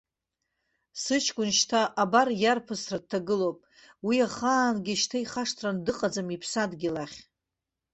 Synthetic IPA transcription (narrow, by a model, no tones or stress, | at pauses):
sɨt͡ʃʰkʷʼʊnʃtʰaʔːbarjarpʰɨsrad̚tʰːaɡɨlowpʼ | wiaχaːnɡʲiʃtʰaiχaʂtʰrandɨqʼad͡zamipʰsadɡʲilaχʲ